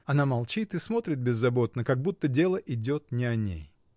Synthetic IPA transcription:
ɐnamɐlˠt͡ɕit̪ɨsmo̞t̪ɾʲɪt̪̚bʲɪzːɐbo̞t̪nəkɐɡ̚but̪ːədʲe̞lˠəʔɪdʲo̞t̪̚nʲɪɐnʲḛj

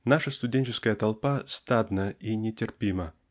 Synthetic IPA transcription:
naʂəst̪ʊdʲenʲt͡ɕɪskəjət̪ɐlˠpast̪ad̪nəinʲɪtʲɪrpʲimə

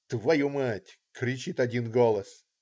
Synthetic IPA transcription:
t̪vɐjumatʲ | kɾʲɪt͡ɕit̪ɐdʲinɡolˠəs

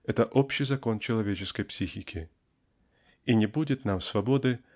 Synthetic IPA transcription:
ɛt̪əʔopɕːɪjzɐko̞nt͡ɕɪlˠɐvʲet͡ɕɪskəjpsʲixʲɪkʲʰɪ | inʲɪbudʲɪt̪namsvɐbo̞d̪ɨ

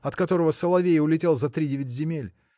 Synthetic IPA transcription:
ɐt̪kɐt̪o̞ɾəvəsəlˠɐvʲejʊlʲɪtʲe̞lˠzɐt̪ɾʲidʲevʲɪtʲzʲɪmʲelʲ

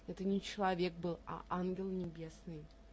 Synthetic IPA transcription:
ɛt̪ənʲɪt͡ɕɪlˠɐvʲe̞k̚bɨlˠɐ̰ʔanɡʲɪlˠnʲɪbʲe̞snɨj

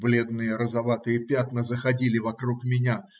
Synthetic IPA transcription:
blʲe̞d̪nɨjəɾəzɐvat̪ɨjəpʲat̪nəzəxɐdʲilʲɪvɐkɾukmʲɪnʲa

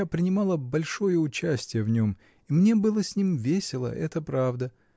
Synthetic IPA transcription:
apɾʲɪnʲɪmɑlˠəbɐlʲʂo̞jəʊt͡ɕæsʲtʲɪjəvnʲom | imnʲe̞bɨlˠəsʲnʲimvʲesʲɪlˠə̰ʔɛt̪əpɾavd̪ə

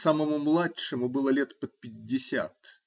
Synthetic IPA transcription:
saməmʊmlˠatʂɨmʊbɨlˠəlʲe̞t̪pət̪̚pʲɪdʲːɪsʲa̰t̪

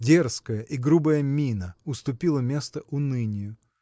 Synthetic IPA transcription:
dʲerskəjəʔiɡɾubəjəmʲinəʊst̪ʊpʲilˠəmʲe̞st̪əʔʊnɨnʲɪjʊ

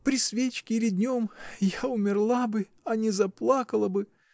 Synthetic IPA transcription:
pɾʲɪsvʲet͡ɕkʲɪɾʲɪd̪ʲnʲo̞mjaʊmʲɪrlˠabɨ | ɐnʲɪzɐplˠakəlˠəbɨ

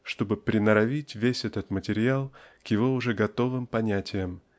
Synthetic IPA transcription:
ʂt̪o̞bɨpɾʲɪnəɾɐvʲitʲvʲesʲɛt̪ət̪mətʲɪɾʲɪalˠkjɪvo̞ʊʐɛɡɐt̪o̞vɨmpɐnʲætʲɪjəm

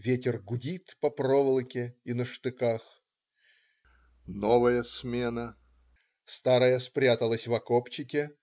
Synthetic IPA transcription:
vʲetʲɪrɡʊdʲit̪pɐpɾovəlˠəkʲɪinəʂt̪ɨkax | novəjəsmʲenə | st̪aɾəjəspɾʲat̪əlˠəsʲvɐkopt͡ɕːɪkʲɪ

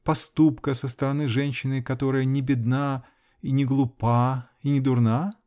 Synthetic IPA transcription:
pɐst̪upkəsəst̪əɾɐnɨʐɛnʲɕːɪnɨkɐt̪o̞ɾəjənʲɪbʲɪd̪na | inʲɪɡlˠʊpa | inʲɪd̪ʊrna

